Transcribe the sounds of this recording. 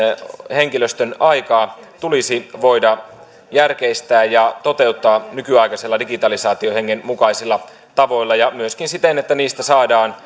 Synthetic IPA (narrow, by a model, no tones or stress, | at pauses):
he̞ŋkiløst̪ønɑjkɑː | t̪ulisiʋo̞jdɑ | jærkeist̪æːjjɑt̪o̞t̪e̞ut̪ːɑːnykyɑjkɑselːɑdiɡit̪ɑlisɑːt̪io̞he̞ŋːenmukɑisilːɑ | t̪ɑʋo̞ilːɑjɑmyøskinsit̪enet̪ːæniːst̪æsɑːdɑːn